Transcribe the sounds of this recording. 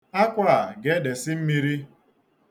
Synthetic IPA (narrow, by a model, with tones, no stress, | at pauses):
a˦kʷa˦˨ɡe˨˦de˨sɪ˦m̩˦mi˦ɾi˦